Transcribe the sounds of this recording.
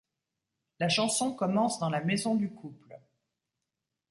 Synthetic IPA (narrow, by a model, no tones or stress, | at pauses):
laʃɑ̃sɔ̃kɔmɑ̃sd̪ɑ̃lamezɔ̃d̪ykʰupl